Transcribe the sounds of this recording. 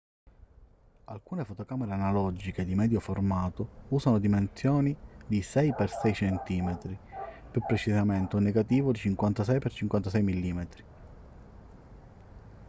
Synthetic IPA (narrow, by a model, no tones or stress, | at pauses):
alkuːnefot̪okaːmeɾeanalɔd͡ʒiked̪imɛːd̪joformaːt̪ʊuːsanod̪imensjɔːnid̪isɛjpersɛjt͡ʃɛnt̪iːmet̪ɾipjupːɾet͡ʃisament̪oneɡat̪iːvʊd̪it͡ʃiŋkwant̪asɛjpert͡ʃiŋkwant̪as̬ɛjmilːiːmet̪ɾi